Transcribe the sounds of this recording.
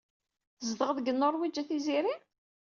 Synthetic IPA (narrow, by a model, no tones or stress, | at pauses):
zd̪əʁəðɡənːʊɾˤwid͡ʒːæθiziɾi